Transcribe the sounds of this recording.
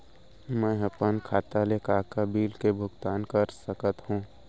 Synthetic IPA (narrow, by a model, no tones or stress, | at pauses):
mɛ̃ːɦɐpənkʰaːt̪alekaːkabiːlkebʱʊɡt̪aːnkəɾsəkət̪hũː